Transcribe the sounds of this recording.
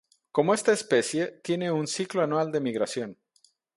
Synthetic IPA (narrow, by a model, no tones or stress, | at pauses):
ko̞moe̞st̪aespe̞sje̞t̪je̞ne̞unsikloanwald̪e̞miɣɾasjo̞n